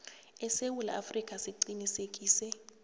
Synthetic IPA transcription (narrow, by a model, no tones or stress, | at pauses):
ɛsewula̰afrikʼasiǀinisekʼiːsɛ